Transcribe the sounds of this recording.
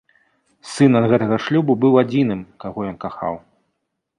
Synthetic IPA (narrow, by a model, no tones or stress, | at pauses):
sɨnɐd̪ɣɛt̪ɐɣɐʂlʲububɨwad͡zʲinɨmkaɣɔjɔnkaxa̰w